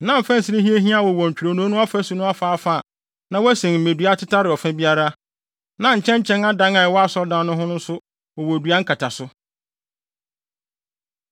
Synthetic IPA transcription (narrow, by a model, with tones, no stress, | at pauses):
nã˦m̩˨fæ̃˦n̩˨si˦ɾe˦ɦi˦e˦ɦĩ˦a˦˨wɔ˨wɔ˨ɲ̩˨t͡ɕᶣɾo˨nũ˨˦nʊ̃˦a˦fæ˦sʊ˨nʊ̃˦a˦fa˨a˦fa˦˨ | nã˨wæ˦sẽ˨ŋm̩˨mẽ˨dɥa˦tʰɪ˦tʰa˦ɾɪ˨ɔ˨fɛ̃˦bi˦a˦ɾa˦ | nã˦ɲ̩˨t͡ɕʰɛ̃˦ɲ˦t͡ɕʰɛ̃˦na˦dã˨˦ŋa˨wɔ˦a˦sɔ˦dã˦nːʊ̃˦ɦʊ̃˦nʊ̃˦n̩˦sʊ˦ | ɔ˨wɔ˨dɥa˦ŋ̩˦kʰa˨tʰa˨sʊ˦